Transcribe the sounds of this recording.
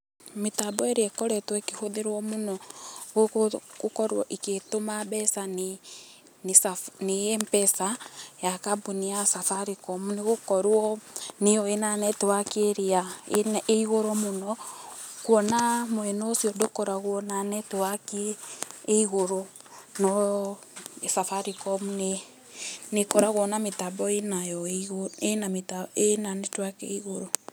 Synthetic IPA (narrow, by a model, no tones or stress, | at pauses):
metabɔeɾeɛkɔɾɛtwɛkehoðeɾwɔmonɔɣoɣokɔɾwɔʔiketomaβɛsan | nsanejempɛsajakabuniasafaɾikɔmuneɣokɔɾwɔnejɔenanɛtewakeɾeaeiɣoɾomonɔkwɔnamoɛnoːsjɔndokɔɾaɣwɔnanɛtewakeː | iɣoɾo | nɔ | esafaɾikɔmune | nekɔɾaɣwɔnametabɔenajɔoenametaenanetwakḛiɣoɾo